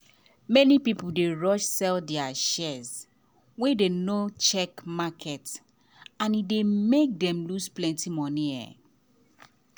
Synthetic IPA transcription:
mɛnipipudeɹɔʃsɛldɛaʃɛz | wedenot͡ʃɛkmakʰɛt | ãnidemek̚dɛ̃mlusplɛ̃ntimɔ̃niɛ̰

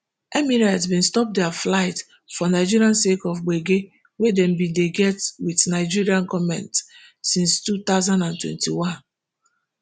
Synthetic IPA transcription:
ɛmiɹaɪtsbĩnstɔp̚dɛflaɪt | fɔnaɪd͡ʒiɾiãnsekɔfɡ͡beɡe | wedɛ̃mbĩdeɡɛtwiðnaɪd͡ʒiɹiãnkɔmɛ̰̃ntsĩnstut̪aʊzãndãntwɛ̰̃ntiwãn

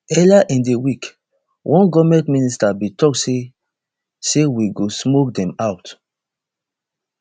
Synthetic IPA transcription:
ɛlaʔĩndewik | wʔɔ̃nɡɔvmɛ̃ntmĩnistabĩtɔkse | sewiɡosmok̚dɛ̃maʊt

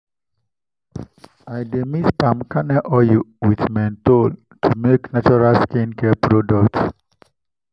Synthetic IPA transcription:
ajdɛmitpãmkanɛʔɔjuwiθmãntol | tʰumeknat͡ʃuɹalskĩnkɛpɹodɔk̚ts

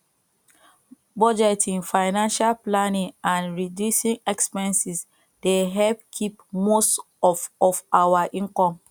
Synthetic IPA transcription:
bɔd͡ʒɛtʰĩŋfaɪnãnʃalplanĩŋãnɹidjusĩŋɛkspɛ̃nsis | d̥eɦɛlp̚kʰipmost | ɔfɔfʔawaʔĩŋkɔ̃m

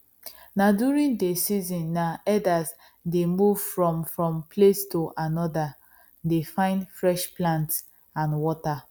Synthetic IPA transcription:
nadjuɹĩndesizɔ̃nːaɛdaz | demuvfɹɔ̃mfɹɔ̃mpʰlestoʔanɔda | defãɪ̃ndfɹɛʃplãnts | ãnwɔta

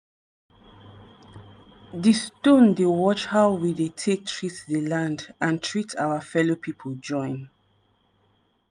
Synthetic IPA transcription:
distõndewɔt͡ʃhawwidetʰek̚tʰɹitdəlãndãntʰɹitʰawafɛlopʰipʰold͡ʒɔ̃ɪ̃n

